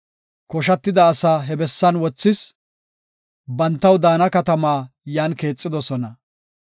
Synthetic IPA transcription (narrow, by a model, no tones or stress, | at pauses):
kɔʃɐt̪ːɪd̪ɐːsaːɦɛbɛsːɐnwɔt͡sːɪs | bɐnt̪ːɐwd̪aːnɐkɐt̪ɐmaːjaːnke̞ːt͡sʼːɪd̪ɔsɔnɐ